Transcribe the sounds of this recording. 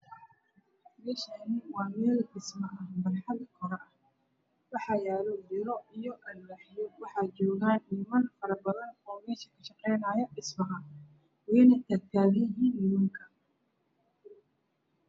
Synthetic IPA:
ħmɛʃanɪwɑːmɛːldɪsmɐʔɐhbɐnħɑðɐkʰɔɾɐʔɐh | wɑħɑjaːlɔdɪɾɔijɔʔɐnːaħjɔwɑħɑːt͡ʃɔːɣaːnʔiːmɐnfɐɾɐbɐðɐnɔːmɛːʃɐ̥kʰɐʃɑqɛjnaːjɐʔɪsmɐɦɐ | wɛːnɐt̪ʰɐkt̪ʰaːðijɐɦiːnːɪjuːŋkʰɐ̥

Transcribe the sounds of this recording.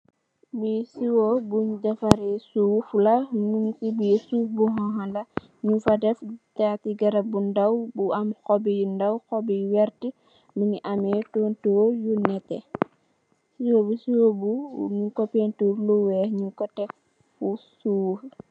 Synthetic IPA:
bisiwobuɲdɐfaɾɛsufulɐnunsibisuːfbuɦɔ̃ɦalɐ | ɲufɐdɛftatiɡɐɾɐbundɐwbuɐmxɔbijundɐwxɔbiwɛɾti | miɲiʔamɛtoːntoːjunɛtːɛ | siwobusiwobuɲukɔpentuːɾluwɛhɲukɔtɛf | fusuːf

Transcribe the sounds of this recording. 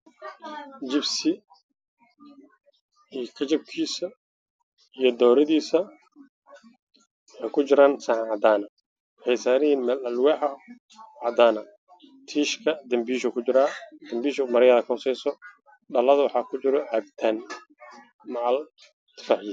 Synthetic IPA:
d͡ʒɪbsɪ | ijkʰɐt͡ʃɐb̚kʰiːsɐ | ijɞd̪ɔːɾɐðiːsɐ | wħɑjkʰʊd͡ʒɪɾaːnsaːħnʕɑd̪aːnɐ | wħɛjsaːɾɪiːnmɐlɐlwɛːħɐ | ʕɑd̪aːnɐ | t̪ʰiːʃkʰɐd̪ɐmbiːʃɔkʰʊd͡ʒɪɾaːd̪̥ɐmbiːʃɔmɐɾɛjɐːðɐkʰɔsɛjsɔ | ɖɐlɐðɐwɑħɑːkʰʊd͡ʒɪɾɔʕɛb̚t̪ʰɐn | maʕl | t̪ʰɪ̥faːħji

